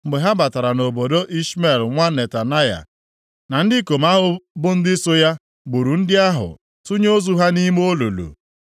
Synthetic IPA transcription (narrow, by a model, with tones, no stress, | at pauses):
m̩˨ɡ͡be˨ɦa˦ba˨ta˨ɾa˨no˨bo˨do˦ʔi˦sme˦˨lŋʷa˦ne˨ta˨na˦ja̰˨ | na˨n̩˦dɪ˦ko˨m˦a˦ɦʊ˨bʊ˦n̩˦dɪ˦sʊ˦ja˦ | ɡ͡bu˨ɾu˨n̩˦dɪ˦a˦ɦʊ̰˨ | tu˦ɲ˦o˦zu˦ɦa˦ni˦m˦o˦lo̰˨lo̰˨